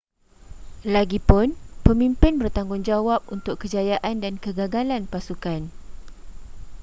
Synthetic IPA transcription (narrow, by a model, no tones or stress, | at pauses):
laɡipʊnpəmĩmpɪnbərt̪aŋɡʊŋd͡ʒawap̚unt̪ʊkːəd͡ʒajaʔandankəɡaɡalanpasukan